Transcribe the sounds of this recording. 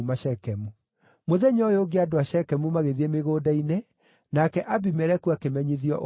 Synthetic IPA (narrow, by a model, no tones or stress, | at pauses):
maʃɛkɛmu | moðɛɲɔjoɡeadoaʃɛkɛmumaɣeðiemeɣoːdaine | nakɛʔabimɛɾɛkuakemɛɲiðiɔ̰ʔ